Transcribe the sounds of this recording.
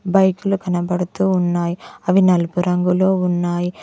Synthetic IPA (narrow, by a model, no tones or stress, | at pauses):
bɐjkulukɐnɐbɐɽut̪uːnːaːjiɐʋinɐlpuɾɐŋɡuloːunːaːji